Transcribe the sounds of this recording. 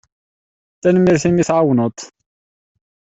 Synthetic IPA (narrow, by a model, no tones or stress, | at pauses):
t̪ænmiɾθimiθʕawnət̪ˤ